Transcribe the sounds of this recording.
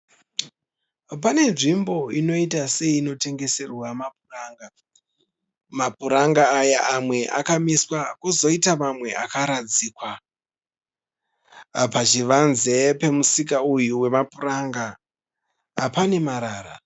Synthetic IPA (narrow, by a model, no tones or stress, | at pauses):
pane̞nʐimbo̞ino̞itase̞iːno̞te̞ŋɡe̞se̞rwamapuraːŋɡa | mapuɾaŋɡaːjaʔamwe̞ʔa̰kamiswakuzo̞itamamwe̞akaɾad͡zikwa | pat͡ʃiʋanze̞pe̞musikaujuwe̞mapuraŋɡa | pane̞maɾaːra̰